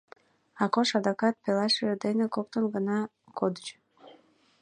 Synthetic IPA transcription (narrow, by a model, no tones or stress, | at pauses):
ɑkoʃɑd̪ɑkɑt̪̚pelˠɑʃed̪enekok̚t̪onɡɑnɑ | kod̪ət͡ɕ